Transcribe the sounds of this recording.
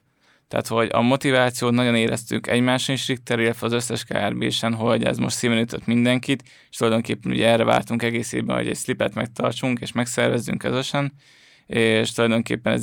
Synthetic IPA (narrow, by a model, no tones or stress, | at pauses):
t̪a̰ːt̪ho̞ɟɒ̰mo̞t̪ivaːt̪sijoːt̪nɒɟo̞neːɾɛst̪ykɛɟmaːʃinʃrik̚t̪ːɛɾilːɛt̪ʋɛɒzøsːɛʃka̰ːɛrbḛːʃɛnɦo̞ɟɛ̰zmo̞ʃt̪siːvɛnyt̪øt̪mind̪ɛŋkit̪ | eʃt̪ulɒjd̪o̞ŋkeːpːɛnṵːɟɛɛrːɛva̰ːrt̪uŋkɛɡeːsjḛːbɛ̰nho̰ɟɛ̰cʲslipɛt̪mɛk̚t̪ɒrt͡ʃuŋkeːʃmɛksɛrvɛzːy̰ŋkːøzø̞ʃɛn | eːʃt̪ulɒjd̪o̞ŋkḛːpːɛnɛ̰z